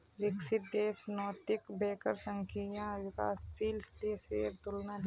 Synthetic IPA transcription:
ɾɪksɪt̪̚d̪eːsnɔːt̪ɪkbeːkəɾsəŋkʰijãʋɪka̰ːsːilst̪eseːɾt̪ʊlnad̪

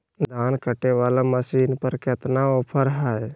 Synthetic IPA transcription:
d̪ʱaːnkəʈeʋaːlaməsiːnpəɾket̪naopʰəɾɦɛj

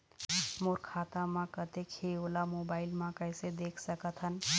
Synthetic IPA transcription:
moɾkʰat̪ãmãkət̪ekʰeolamobailmãkəjsed̪ekʰsəkət̪ʰɦən

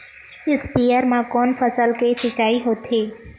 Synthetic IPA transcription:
ɪspijəɾmãkɔːnpʰəsəlkesɪt͡ʃaːiɦoːt̪ɦeː

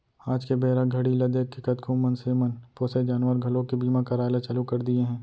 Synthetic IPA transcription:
aːd͡ʒkebeːɾaɡʱɐɽilɐd̪eːkːɪkət̪kʰuːmənseːmənpoːsed͡ʒaːnwəɾɡʱɐlõkibiːmãkaɾaːɪlat͡ʃɐlukɐɾd̪ieɦɛ̃ː

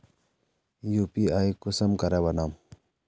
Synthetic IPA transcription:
jupiajkusəmkɐɾɛbɐnaːm

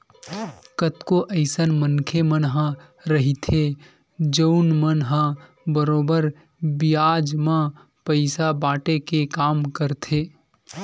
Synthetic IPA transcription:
kət̪koʔəɪsənmənkʰemənɦã | ɾəɦit̪ʰe | d͡ʒəʊnmənɦã | bəɾoːbəɾ | bɪjaːd͡ʒmã | pəɪsabaːʈekekaːmkəɾt̪ʰeː

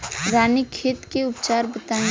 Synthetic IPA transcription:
ɾaːnikʰeːt̪keʊpt͡ʃaːɾbət̪aẽ

